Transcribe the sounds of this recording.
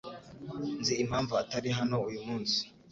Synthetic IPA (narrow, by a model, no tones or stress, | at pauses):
nziːm̥haːɱvuataɾiɦano̞ujumuːnsi̥